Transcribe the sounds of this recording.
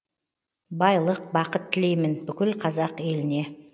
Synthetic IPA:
bɑjlˠəq̚bɑqət̪ʰːɪle̞jmɪnbʏkʲɪlqʰɑzɑqe̞lɪne̞

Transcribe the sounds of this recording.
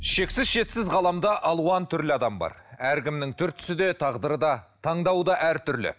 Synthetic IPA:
ʃe̞ksɪzʃe̞t̪sɪzʁɑlˠɑmd̪ɑʔɑlˠuɑnt̪ʰʏɾlɪɑd̪ɑmbɑ̰ɾæɾɡʲɪmnɪŋt̪ʰʏɾt̪ʰʏ̥sɪd̪e̞t̪ʰɑʁd̪əɾəd̪ɑt̪ʰɑɴd̪ɑwd̪ɑʔæɾt̪ʰʏɾlɪ̰

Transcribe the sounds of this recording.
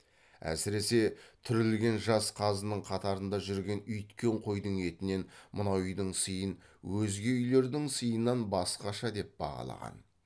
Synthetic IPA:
æ̰sɪɾe̞se̞t̪ʰʏɾɪlɡʲe̞nʒɑsqʰɑzənəɴqʰɑt̪ɑɾənd̪ɑʒʏɾɡʲe̞nʏjt̪kʲe̞ɴqʰo̞jd̪əɴe̞t̪ɪne̞nmənɑwʏjd̪əɴsəjən | wɵzɡʲe̞ʏjle̞ɾd̪ɪŋsəjənːɑnbɑsqɑʃɑd̪e̞p̚bɑ̰ʁɑ̰lˠɑ̰ʁɑ̰n

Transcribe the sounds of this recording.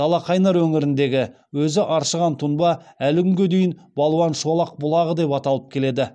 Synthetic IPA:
ɑlˠɑqʰɑjnɑɾwɵŋɪɾɪnd̪e̞ɡʲɪ | wɵzɪʔɑɾʃəʁɑnt̪ʰʊnbɑælɪkʲʏŋɡʲe̞d̪ejɪnbɑlˠuwɑnʃuɑlˠɑq̚bʊlˠɑʁəd̪e̞pɑt̪ɑlˠəp̚kʲʰe̞le̞d̪ɪ

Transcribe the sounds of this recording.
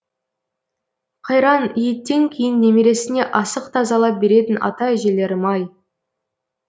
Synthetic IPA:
qʰɑjɾɑnijɪt̪ːe̞ŋkʲʰejɪnːe̞meɾe̞sɪne̞ʔɑsəqt̪ʰɑzɑlˠɑp̚be̞ɾe̞t̪ɪnɑ̰t̪ɑɪʒe̞le̞ɾɪmɑj

